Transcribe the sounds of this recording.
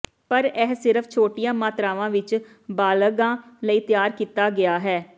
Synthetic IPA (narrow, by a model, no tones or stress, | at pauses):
pəɾɛːɦsɪɾəfʰt͡ʃʰoːʈijãːmaːt̪ɾaːʋãːʋɪt͡ʃ | baːləɡãːləiːt̪ɪjaːɾkiːt̪aːɡɪaːɦɛː